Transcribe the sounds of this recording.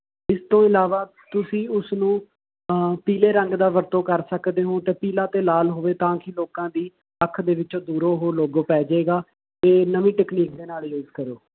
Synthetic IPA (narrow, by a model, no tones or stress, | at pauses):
ɪst̪õːɪlaːʋaː | t̪ʊsĩːʊsnũː | piːleːɾə̃ŋɡd̪aːʋəɾt̪õːkəɾsəkd̪eːɦõːt̪eːpiːlãːt̪eːlaːlɦoːʋeːt̪ãːkɪloːkãːd̪iː | əkʰːd̪eːʋɪt͡ʃõːd̪uːɾoːɦoːloːɡoːpɛːd͡ʒeːɡaː | t̪eːnəʋĩːʈɛːkniːk̚d̪eːnaːljoːd͡ʒkəɾoː